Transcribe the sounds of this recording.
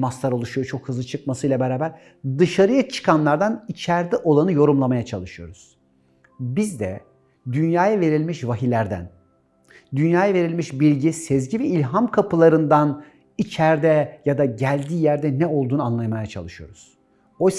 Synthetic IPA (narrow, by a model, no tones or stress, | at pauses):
mast̪ˠaɾo̞lˠuʃujot͡ʃʰo̞khɯzlˠɯt͡ʃʰɯk̚masɯjlˠabeɾaːbæɾ | d̪ɯʃaɾɯjat͡ʃʰɯ̥kʰanlˠaɾd̪anit͡ʃʰæɾd̪ɛʔo̞lˠanɯjo̞ɾumlˠamajat͡ʃʰalˠɯʃɯjo̞ɾuz̥ | bizd̪ɛ̰ | d̪ynjaːjave̞ɾilʲmiʃvaɦilʲæɾd̪æ̰n | d̪ynjaːjave̞ɾilʲmiʃbilʲɟisezɟivɛilʲɦamkʰapɯlˠaɾɯnd̪an | it͡ʃʰæɾd̪ɛjad̪aɟælʲd̪iːjæɾd̪ɛnɛo̞lˠd̪uːnɯanlˠajmajat͡ʃʰa̰lˠɯʃɯjo̞̰ɾuz̥ | o̞js